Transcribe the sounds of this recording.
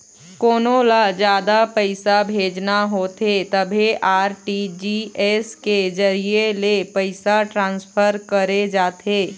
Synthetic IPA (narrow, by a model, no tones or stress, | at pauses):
koːnolad͡ʒjaːd̪apəɪsabʱeːd͡ʒnaɦoːt̪et̪əbʱeʔaːɾʈid͡ʒiɛsked͡ʒɐɾielepəɪsaʈɾãːnspʰəɾkəɾed͡ʒaːt̪ʰeː